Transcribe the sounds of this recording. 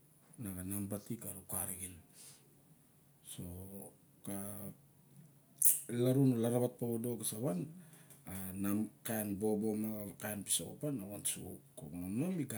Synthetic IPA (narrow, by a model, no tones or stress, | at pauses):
naɡanambatikaɾukaɾiɡin | so̞ | ka | laɾunulaɾaβat̚paβodo̞ɡasaβananamkanbo̞bomaɡakanpi̥soopanawansukokmonomika